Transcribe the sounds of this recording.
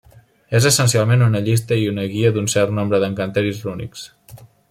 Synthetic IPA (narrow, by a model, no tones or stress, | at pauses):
ezəsənsialˠmenunəʎis̬t̪əiunəɣiəd̪unsɛɾt̪nombɾəðəŋkənt̪eɾizrunḭks